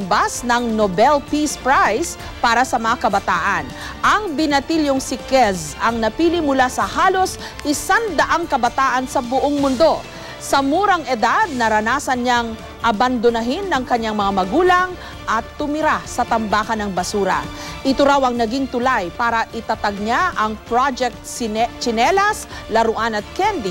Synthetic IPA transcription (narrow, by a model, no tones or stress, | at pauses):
basnɐŋnobɛlpispɹajs | paːɾɐsɐmɐŋakɐbɐt̪aːʔɐn | ʔɐŋbɪnɐt̪iljoŋsɪkɛzɐŋnɐpiːlɪmʊlasɐhaːlo̞s | ʔɪsand̪ɐʔaŋkɐbɐt̪aːʔɐnsɐbʊʔoŋmʊnd̪o̞ | sɐmuːɾɐŋʔɛd̪ad̪̚nɐɾɐnaːsɐnɲaŋ | ʔɐbɐnd̪onɐɦinːɐŋkɐɲːaŋmɐŋamɐɡuːlɐŋ | ʔɐt̪ːʊmɪɾasɐt̪ɐmbaːkɐnɐŋbɐsuːɾɐ̰ʔɪt̪oɾawɐŋnɐɡiŋt̪ʊlajpaːɾɐʔɪt̪ɐt̪ɐɡ̚ɲaʔɐŋpɾad͡ʒɛk̚t̪t͡ʃɪnɛlɐs | lɐɾʊʔanɐt̪̚kɛnd̪i